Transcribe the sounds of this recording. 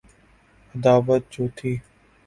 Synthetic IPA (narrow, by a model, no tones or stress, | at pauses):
əd̪aːʋət̪̚t͡ʃoːt̪ʰiː